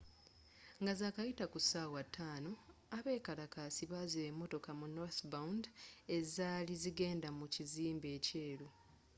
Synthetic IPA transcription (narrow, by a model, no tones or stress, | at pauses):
ŋɡazaːkajitakusaːwatʰːaːno̞aβe̞ːkalakaːsiβazeemːo̞to̞kamunoθbaunde̞zaːliziɡe̞ːndamuciziːmbe̞ːce̞ːlu